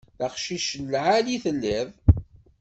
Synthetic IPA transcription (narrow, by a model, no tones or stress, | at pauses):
θəqʃiʃəlːʕaliθəlːæð